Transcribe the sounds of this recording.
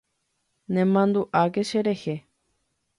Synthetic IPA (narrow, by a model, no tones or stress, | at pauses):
nẽmãnd̪uʔakeʃeɾehe